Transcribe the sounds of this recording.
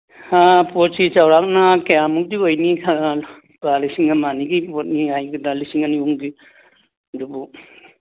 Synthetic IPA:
hapɔtsit͡ʃawɾak̚nakejamuk̚diojnikʰaa | balisiŋamaniɡipɔt̚niajɡɯdalisiŋaniuŋbi | dubu

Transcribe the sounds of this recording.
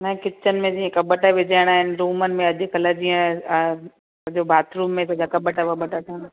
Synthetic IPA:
nɐ̃kɪt͡ɕənɪ̆mẽd͡ʑiːẽkɐbəʈaʋɪd͡ʑaːɪɽ̃aːɦɪnɪ̆ɾuːmənɪ̆mẽɐʄʊkɐləd͡ʑiə̃ | sɐd͡ʑobʱaːt̪ɾuːmːẽt̪ɐd͡ʑakɐbəʈaʋɐbəʈaʈʰəna

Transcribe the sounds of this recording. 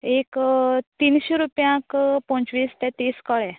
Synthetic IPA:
ekt̪inɕeɾupjãkpɔ̃t͡sʋiːst̪ɛ̃t̪eskəɭɛ

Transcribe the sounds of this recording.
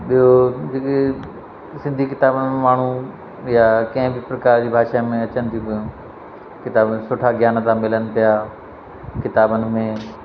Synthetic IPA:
ɓiɦod͡ʑeːke | sɪ̃nd̪ʱikɪt̪aːbənɪmẽmaːɳ̤u | jakɐ̃ɦɪ̃bɪpɾɐkaːɾd͡ʑiːbʱaːʃamẽɐt͡ɕənɪ̆t̪ʰikɐũ | kɪt̪aːbsʊʈʰaɡʱjaːnt̪ãmɪlənɪ̆pijaː | kɪt̪aːbənɪ̆mẽ

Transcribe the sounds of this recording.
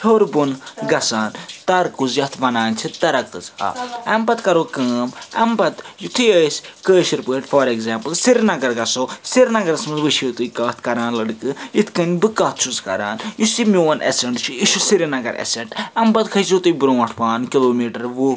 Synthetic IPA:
hoɾbunɡɐsaːnt̪ɐɾkuzjɐt̪ʰʋɐnaːnʲt͡ʃʰit̪ɐɾɐkːɨzha̰ːɐmbɐt̪kɐɾoːkəːmɐ̰mbɐt̪jut̪ʰɨjəːsʲkəːʃiɾpəːʈfoːɾeɡzaːmpɨlsiɾinɐɡɐɾɡɐsoːsiɾnɐɡɐɾɐsmɐzʋɨʃot̪ɨjkaːt̪ʰkɐɾaːnlɐɽɨkɨit̪ʰkɐnʲbɨkɐːt̪̚ʰt͡ʃʰuzkɐ̰ɾa̰ːnjusimʲoʋɐnʔḛseɳʈt͡ʃʰiiʃusiɾinɐɡɐɾḛsɐɳʈɐmbɐt̪kʰɐzot̪ɨjbɾõːɐʈʰpaːnkiloːmiːʈɐɾʋu

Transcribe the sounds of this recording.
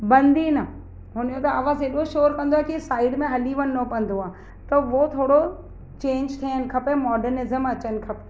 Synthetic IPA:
bɐ̃nd̪inɐ | ɦʊnjot̪ɐaːʋaːzɪɗoʃoːɾkɐ̃nd̪oaːɦkisaːɪɖmẽɦɐliʋɐnnɐpɐ̃nd̪oaː | t̪ɐʋot̪ʰoːɽo | t͡ɕẽːɲd͡ʑt̪ʰijənɪ̆kʰɐpemɔːɖəɾnɪzəmɐt͡ɕənɪ̆kʰɐpe

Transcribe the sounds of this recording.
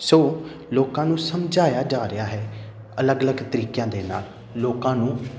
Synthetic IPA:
soː | loːkãːnũːsəmd͡ʒʱaːjaːd͡ʒaːɾɪjaːɦɛː | ələɡələɡt̪əɾiːkjãːd̪eːna̰ːlː | oːkãːnũː

